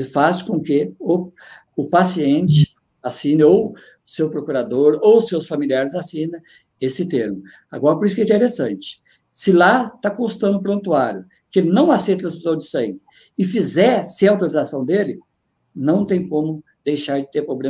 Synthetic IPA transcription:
faskõkɪʊ | ʊpasiẽnt͡ʃɪ | asĩnɐow | sewpɾokuɾad̪oɾowsewsfamiliaɾɪzasĩnɐ̃ | esɪt̪eɾmʊ | a̰ɡɔɾɐp̬oɾisʊkɛ̃ĩt̪eɾesɐ̃nt͡ʃɪ̥ | sɪlat̪akõst̪ɐ̃nd̪ʊpɾõnt̪uaɾjʊ | kɪelɪnɐ̃w̃asejt̪ɐ̃siszɐ̃w̃d͡ʒɪsẽj̃pɪ | ɪfizɛɾsɪɛawt̪oɾizasɐ̃w̃d̪elɪ | nɐ̃w̃t̪ẽj̃kõmʊ | d̪̥ejʃaɾd͡ʒɪt̪eɾpɾoblẽ

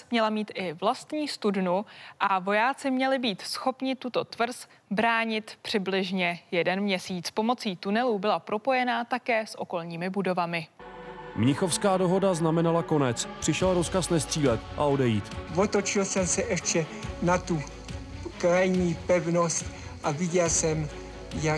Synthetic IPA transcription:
mɲɛlamiːt̪ʔɪvlast̪ɲiːst̪udnuʔavo̞jaːt͡sɪmɲɛlɪbiːt̪sxo̞pɲɪt̪ut̪o̞t̪vr̩s | bɾaːɲɪt̪pr̝̥ɪblɪʒɲɛjɛdɛnmɲɛsiːt͡spo̞mo̞t͡siːt̪unɛlubɪlapɾʔo̞po̞jɛnaːt̪akɛːsʔo̞ko̞lɲiːmɪbudo̞vamɪ | mɲɪxo̞fskaːdo̞ɦo̞daznamɛnalako̞nɛt͡spr̥ɪʃɛlɾo̞skasnɛst̪r̥iːlɛt̪ʔa̰o̞dɛjiːt̪vot̪ot͡ʃɪlsɛmsɛʔɛʃt͡ʃɛ | nat̪u | kɾajɲiːpɛvnost̪ | ʔavɪɟɛlsɛm | ja

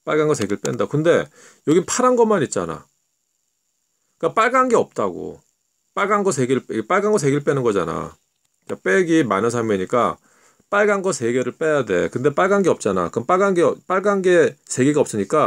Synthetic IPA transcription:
p͈aɭɡanɡʌs̬ʰe̞ɡeɭp͈endaokɯnde̞ | jʌɡipʰaɾanɡʌmanit̚t͡ɕ͈a̰na̰ | k͈ap͈aɭɡanɡe̞ʌp̚t͈aɡo̰ | p͈aɭɡanɡʌs̬ʰe̞ɡeɭpep͈aɭɡanɡʌs̬ʰe̞ɡiɾɯɭp͈enɯnɡʌd͡ʑana̰ | k͈ap͈e̞ɡima̰nɯnsʰameɲik͈a̰ | p͈aɭɡanɡʌsʰe̞ɡe̞ɾɯɭp͈e̞jade̞̰kɯnde̞p͈aɭɡanɡe̞ʌp̚t͡ɕ͈ana̰kɯmp͈aɭɡanɡep͈aɭɡanɡe̞sʰe̞ɡeɡaʌps͈ɯɲik͈a

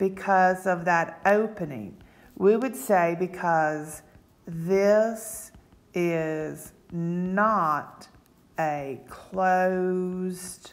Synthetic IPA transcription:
b̥ɨkʰʌzʌvðɨɾʔoʊpɨnɪ̰̃ŋ | wiwɨd̥seɪbɨkʰʌz | ðɪs | ɪz | nəɾ | ɨkʰl̥oʊzd̥

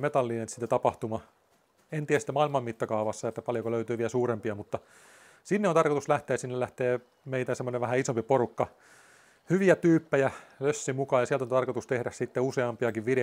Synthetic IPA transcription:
met̪ɑlːiːnent̪sit̪ːæt̪ɑpɑht̪umɑ | ent̪iæsit̪ːæmɑilmɑmmit̪ːɑkɑuʋɑsːɑet̪ːæpɑljokoløyt̪yːʋiælsuːrempiɑmut̪ːɑ | sinːeonɑrkot̪uslæht̪eːsinːellæht̪eː | meit̪æsemːoneʋʋæhæisompiporukːɑ | hyʋiæt̪yːpːæjæløsːimukɑːjɑsiælt̪ont̪ɑrkot̪ust̪ehɾæssit̪ːeuseɑmpiɑkiʋʋiɾe

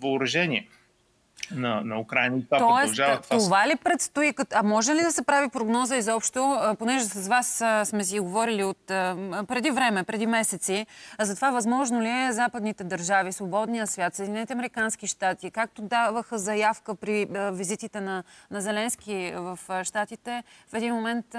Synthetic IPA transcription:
vɐʊɾɐʒɛniɛ | nɐnɐukɾajnəivap̪t̪ɔɾɛʒavt̪vaovalipɾɛt̪st̪oikəɐmɔʒɛlid̪ɐsɛpɾavipɾoɡnɔzəizɔpʃt̪oponɛʒɛsɐzvassmɛs̬iɡovɔɾiliot̪əpɾɛd̪ivɾɛmɛpɾɛd̪imɛsɛt̪sizɐt̪ovavɐzmɔʒnoliɛzapəd̪nit̪ɛd̪ɐɾʒavisvobɔd̪nijəsvʲjat̪səid̪inɛnit̪əɐmɛɾikanskiʃt̪at̪ikak̚t̪od̪avəxəzɐjafkəpɾivizit̪it̪ɛnɐnɐzɛlɛnsk̟ivɐfʃt̪at̪it̪ɛfɛd̪inmomɛnt̪

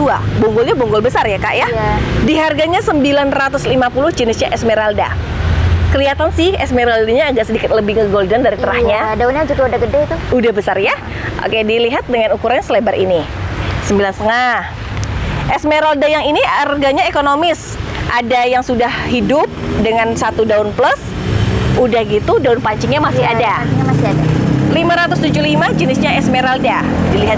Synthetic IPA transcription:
ua̰buŋɡʊlɲabuŋɡʊlbəsarjaka̰ʔjadiɦarɡaɲasəmbilanrat̪ʊslimapulʊhd͡ʒənɪsɲaʔɛsmeɾalda̰ | kəliat̪ansɪhɛsmeɾaldaɲaːɡaʔsədikɪt̪̚ləbɪhŋəɡoldɔndaɾit̪əɾahɲadaunaŋd͡ʒut̪uudaɡədɛhit̪uudahbəsarja | ʔo̰kediliɦat̪̚dəŋanukuɾanasəlebaɾḭnisəmbilanst̪əŋah | ʔɛsmeɾaldajaŋiniarɡaɲaekonomɪs | ʔadajaŋsudahhidʊp̚dəŋansat̪udaʊnpləs | udahɡit̪udaʊnpaɲt͡ʃɪŋɲamasɪɦadaɲamasɪadalimaɾat̪ʊst̪ud͡ʒulimad͡ʒənɪsɲaɛsmeɾalda | diliɦat̪

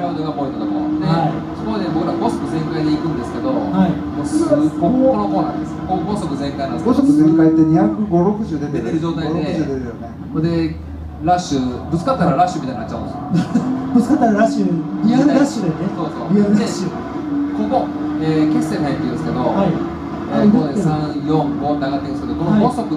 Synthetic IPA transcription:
ɾad̪oɡapo̞ĩnt̪ot̪oko̰a̰t̪ːea | skoid̪ebo̞kɯɾaɡoso̥pɯ̟zẽ̞ŋkaid̪eikɯ̟̃nd̪esɨ̥ke̞d̪ohai | moːskokokonoko̞ːnã̰nd̪esɨ̥koɡo̞sokɯ̟zẽŋkajnaneɡossokɯzẽ̞ŋkait̪ːeɲ̟içakɯ̟ɡo̞ɾo̞kɯ̟ʑɨːd̪e̞t̪eet̪eɾɯ̟d͡ʑo̞ːt̪aioɾeɯ̟d͡ʑɨːd̪et̪ejone̞koɾd̪e̞ | ɾaɕɨbɯ̟t͡sɨ̥kat̪ːaɾaɾaɕɨmʲit̪aĩnat͡ɕːaɯ̰̃nes | bɯt͡sɨ̥kat̪ːaɾaɾaɕɯianɾaɕɨd̪enesoːsoːianɾeɕɨ | koko | ekesːehait̪ejĩɯ̃md̪esɨ̥ked̪ohai | ioesãjõŋkot̪aɡat̪eĩnsɨked̪okonoaiosokɯ̟

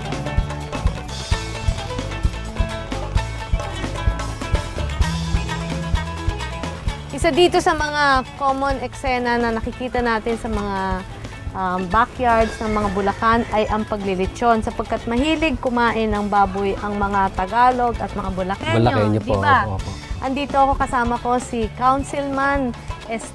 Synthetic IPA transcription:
ʔɪsad̪iːt̪o̞sɐmɐŋakomonɛksɛnɐnɐnɐkɪkiːt̪ɐnaːt̪ɪnsɐmɐŋa | ʔɐmbakjaɹd̪snɐŋmɐŋabʊlɐkanɐjʔɐŋpɐɡlɪlɪt͡ʃo̞nsɐpɐɡ̚kat̪̚mɐhiːlɪɡ̚kʊmaːʔɪnɐŋbaːbʊjʔɐŋmɐŋat̪ɐɡaːlo̞ɡɐt̪̚mɐŋabʊlɐkɛʊɲlɐokɛɲopd̪obaʔɐnd̪iːt̪o̞ʔɐko̞kɐsaːmɐko̞sɪkawnsɪlmanʔɛs

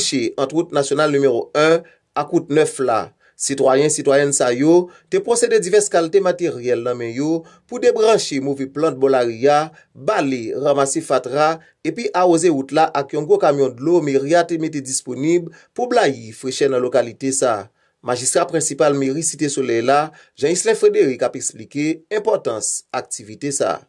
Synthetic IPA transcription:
ʃeʔɑ̃tʁut̚nasjonalnymeʁoɛ̃ | akut̚nœfla̰ | sitwajɛ̃sitwajɛnsajotepʁoseded͡zivɛʁskalitemateʁjɛlnɐ̃mɛ̃jo | pudebʁɑ̃ʃemovepl̃t̚bolaʁia | baleʁamasefatʁa | epiʔaʁozeɣutlaʔakjɔ̃ɡokamjɔ̃dlomeʁiatemeted͡zisponibl | publajifʁeʃɛnɐ̃lokalitesa̰ | maʒist̪ʁapʁɛ̃sipalmeʁisitesolɛjla | ʒɑ̃islɛ̃fʁedeʁikapɛksplikeɛ̃pɔʁtɑ̃sak̚tivitesa̰

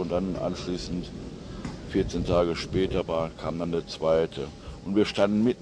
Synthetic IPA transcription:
ʊntd̥anʔa̰nʃliːsn̩t | fɪɐt͡seːntʰaːɡəʃpɛːtɐvaːɐkʰaːmdandeːɐt͡sv̥aɪtʰə | ʔʊntv̥iːɐʃtandn̩mɪt̚

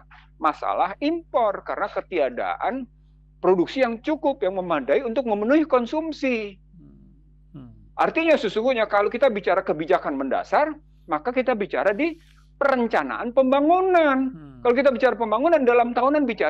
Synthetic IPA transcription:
masa̰lahimpɔrkaɾənakət̪iada̰ʔan | pɾoduk̚sijaŋt͡ʃukʊpjaŋməmadaiunt̪ʊk̚məmənuikɔnsumsi | ʔart̪iɲasəsuŋɡuɲakalokit̪abit͡ʃaɾakəbid͡ʒakanmənda̰sar | makakit̪abit͡ʃa̰ɾadi | pəɾəɲt͡ʃana̰ʔanpəmbaŋunankalokit̪̬abit͡ʃaɾapəmbaŋunandalamt̪aɦunanbit͡ʃa

